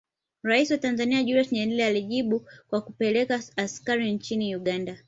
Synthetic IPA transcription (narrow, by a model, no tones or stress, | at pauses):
ɾaisiwatanzaniaʄuɾɛsɲɛnlɛlɛaliʄiɓukwakupɛlɛkaːskaɾint͡ʃiniuɠanda